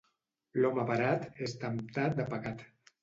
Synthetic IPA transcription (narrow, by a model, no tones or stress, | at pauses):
lɔmapaɾat̪est̪amt̪ad̪əpaɣat̪